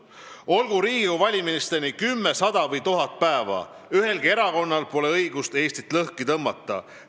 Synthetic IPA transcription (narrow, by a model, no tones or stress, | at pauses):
o̞lɡ̥uɾiːɡ̥ikuvɑlʲiminist̪enikymːesɑd̪̥ɑvɤjt̪uɦɑt̪̚pæevɑ̰ | yɦe̞lɡ̥ie̞ɾɑko̞nːɑlpo̞le̞ɤjɡ̥ust̪e̞ːst̪it̪ːˑlɤhkit̪ɤmːɑt̪ːˑɑ̰